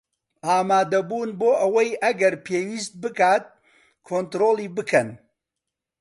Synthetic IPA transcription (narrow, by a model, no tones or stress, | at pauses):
ʔaːmaːd̪ɐbuːnboːʔɐwɐjʔɐɡɐɾpʰeːwiːst̪̚bɨkaːt̪̚ | kʰoːnt̪ɾoːlˠiːbɨkʰɐn